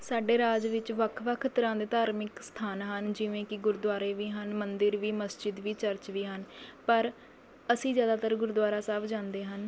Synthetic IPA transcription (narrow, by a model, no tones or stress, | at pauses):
saːɖeːɾaːd͡ʒʋɪt͡ʃʋəkʰʋəkʰt̪əɾãːd̪eːt̪aːɾmɪkst̪ʰaːnɦənd͡ʒɪʋẽːkɪɡʊɾd̪waːɾeːʋiːɦənmənd̪ɪɾʋiːməsd͡ʒɪd̪ʋiːt͡ʃəɾt͡ʃʋiːɦənpəɾ | əsĩːzjaːd̪aːt̪əɾɡʊɾd̪ʋaːɾaːsaːbd͡ʒãːnd̪eːɦən